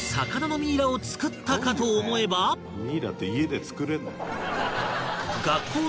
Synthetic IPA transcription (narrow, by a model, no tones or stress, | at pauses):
sakad̪ano̞mʲiːɾao̞t͡sɨ̥kɯ̟t̪ːakat̪o̞ːmo̞e̞ba | mʲiːɾa̰t̪ːeie̞d̪e̞t͡sɨ̥kɯ̟ɾe̞nːo | ɡakʰːo̞ː